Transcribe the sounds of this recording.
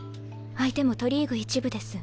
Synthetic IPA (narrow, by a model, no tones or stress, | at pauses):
ait̪e̞mo̞t̪o̞ɾʲiːɡɯ̟it͡ɕibɯ̟d̪e̞sɨ